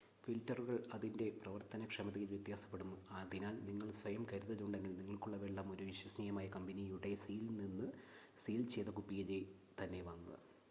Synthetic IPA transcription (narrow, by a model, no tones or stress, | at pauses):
filtːɐruɣɐɭɐðinde̞prɐʋɐrt̪ɐnɐkʂemɐt̪ːiɣilʋjɐt̪jaːsɐ̥pːeɽumːuaðinaːlniŋːɐɭsʋɐjɐmkɐɾuðɐðuɳɖe̞ŋɡilniŋːɐɭkuɭːɐʋeɭːɐmo̞ɾuʋiɕwɐsniːjɐmaːjɐkɐmbɐnijuɽe̞siːlninːɨ | siːlt͡ɕe̞ːt̪ːɐkupːijɐle | t̪ɐnːe̞ʋɐŋːuɐ